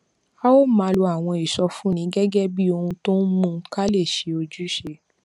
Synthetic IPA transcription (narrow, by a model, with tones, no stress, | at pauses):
a˦o˦mã˨˧lo˧a˨w̃ɔ̃˧i˨ʃɔ˧fũ˨˦nĩ˨˦ɡɛ˦ɡɛ˦bi˦o˧hũ˧to˦n̩˦mũ˦˧˦ka˦le˦˨ʃe˨˦o˧d͡ʒu˦ʃe˧